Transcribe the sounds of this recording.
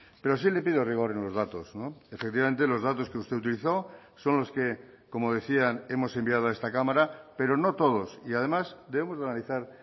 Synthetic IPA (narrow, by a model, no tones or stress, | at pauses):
pe̞ɾos̬ile̞piðoriɣo̞ɾe̞nlo̞zðat̪o̞snoefek̚t̪iβame̞nt̪̬e̞lo̞zðat̪o̞ske̞ust̪e̞ut̪̬iliθo̞so̞nlo̞ske̞ko̞moð̞e̞θiane̞mo̞se̞mbiað̞o̞aest̪akamaɾape̞ɾo̞no̞t̪o̞ð̞o̞siaðe̞masd̪e̞βemo̞zðanaliθaɾ